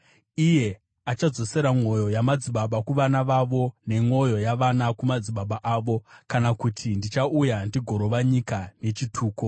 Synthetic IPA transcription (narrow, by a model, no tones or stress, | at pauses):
ije̞ | at͡ʃad͡zo̞se̞ɾamo̞jo̞jamad͡ziɓaɓakuʋanaʋaʋo̞ne̞ŋo̞jo̞jaʋanakumad͡ziɓaɓaʔaːʋo̞kanakutʰindit͡ʃaujandiɡʱo̞ɾo̞ʋaɲikane̞t͡ʃitʰuːko